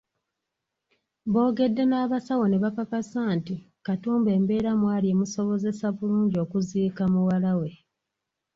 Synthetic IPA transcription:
βo̞ːɡe̞dːe̞naːβasawo̞neβakakasaːnti | katuːmbe̞ːmbe̞ːɾamwaːliemuso̞βo̞ze̞saβuluːɲɟio̞ːkuziːkamuwalawe̞

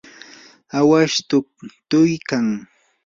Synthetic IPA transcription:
awaʃt̪ʊp̚t̪ʊjkaŋ

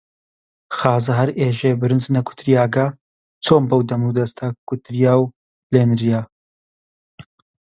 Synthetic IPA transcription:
xaːzɐɦɐɾeːʒeːbɨɾɨnznɐkʰʊ̥t̪ɾijaːɡɐ | t͡sʰoːmbɐwd̪ɐmuːd̪ɐst̪ʰakʊt̪ɾijaːw | leːnɾijaː

